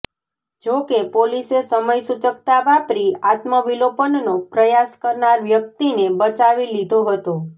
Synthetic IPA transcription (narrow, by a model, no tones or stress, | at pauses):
d͡ʒokepolisesəməjsut͡ʃəkt̪aʋapɾiat̪məʋilopənnopɾəjaskəɾnaɾʋjək̚t̪inebət͡ʃaʋilid̪ʱoɦət̪o